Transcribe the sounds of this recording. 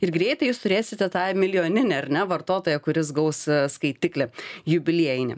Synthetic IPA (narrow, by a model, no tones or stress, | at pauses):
ɪɾɡɾʲɛɪt̪ɐɪjuːst̪ʊɾʲeːsʲɪt̪ʲɛt̪ɑːmʲɪlʲjoːnʲɪnʲeɐɾʲnʲɛʋɐrt̪oːt̪oːjɛkʊɾʲɪs̬ɡɐʊsskɐɪt̪ʲɪklʲɛjʊbʲɪlʲiɛjɪnʲɪ̰